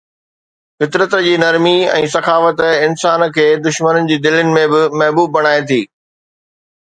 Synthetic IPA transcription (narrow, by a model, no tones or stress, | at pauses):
fɪt̪ɾət̪d͡ʑiːnɐɾmiɛ̰̃ːsɐxaːfət̪ɪnsaːnkʰeːd̪ʊʃmənənɪ̆d͡ʑiːd̪ɪlənɪ̆mẽbɪmɐɦbuːb̚ːɐɽ̃aːet̪ʰiː